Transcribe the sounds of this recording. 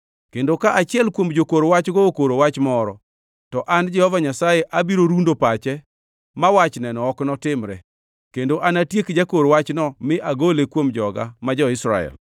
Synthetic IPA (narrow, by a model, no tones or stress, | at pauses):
kendokaʔat͡ʃɪɛlkwomd͡ʒokoɾowat͡ʃɡookoɾowat͡ʃmɔɾɔ̰ | tɔʔand͡ʒɛhɔvaɲasajeʔabiɾoɾundopat͡ʃɛ | mawat͡ʃnɛnɔɔknɔtɪmɾɛ | kendoʔanatjekd͡ʒakoɾwat͡ʃnɔmɪʔaɡolekwomd͡ʒɔɡa̰mad͡ʒɔɪsɾa̰ɛ̰l